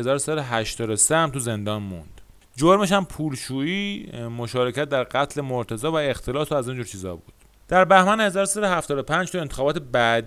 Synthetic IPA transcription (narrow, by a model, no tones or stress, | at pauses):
ezɒːɾosæd̪oɦæʃt̪ɒːd̪oseæmt̪ʰuze̞nd̪ɒːnmund̪̥ | d͡ʒoɾmeʃæmpʰuːlʃuːiːmoʃɒːɾecæt̪̚d̪æɾɢæt̪ʰle̞moɾt̪ʰæzɒːvæe̞xt̪ʰe̞lɒːsoæzind͡ʒuːɾt͡ʃʰiːzɒ̰ːbuːd̪̥ | d̪̥æɾbæhmænhe̞zɒːɾsæd̪ohæft̪ɒːd̪o̞pʰænd͡ʒt̪ue̞nt̪exɒːbɒːt̪ʰebæd̪